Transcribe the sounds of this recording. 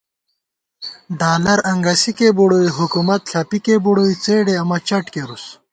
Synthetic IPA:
ɖaːlɐɾɐŋɡɐsikeboɽoiɦukumɐt̪ɬʰaːpikeboɽoit͡seːɖeɐmɐt͡ɕɐʈkeɾus

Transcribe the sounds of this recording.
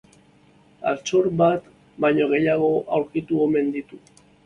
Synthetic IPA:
a̰ɾt͡so̞ɾbat̪ | bajɲo̞ɣ̞e̞jaɣ̞o̞ʔawɾkit̪uome̞nd̪it̪u

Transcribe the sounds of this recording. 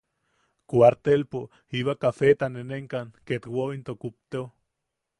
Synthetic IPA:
kwaɾt̪elpo | iβakafet̪aneneŋkaŋket̪woint̪okup̚t̪eo

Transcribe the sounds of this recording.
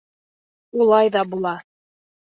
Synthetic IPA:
ulˠɑjðɑbulˠɑ

